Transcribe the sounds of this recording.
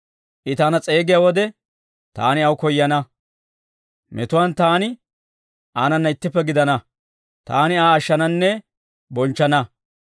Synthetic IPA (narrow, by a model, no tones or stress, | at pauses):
ʔɪt̪aːnɐt͡sʼe̞ːɡɪjaːwɔd̪ɛ | t̪a̰ːnɪɐwkɔjːɐnɐ | mɛ̰t̪ʊwaːnt̪aːnɪ | ʔaːnɐnːɐɪt̪ːɪpːɛɡɪd̪ɐnɐ | t̪a̰ːnɪaːʃːɐnɐnːɛ | bɔnt͡ʃːɐnɐ